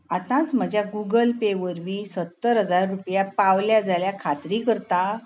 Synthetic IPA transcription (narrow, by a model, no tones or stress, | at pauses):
at̪ãt͡sməd͡ʑʱjaɡuɡəlpeʋəɾʋiːsət̪ːəɾɦəd͡zaɾːupjapaʋljad͡zʱaljakʰat̪ɾiːkəɾt̪a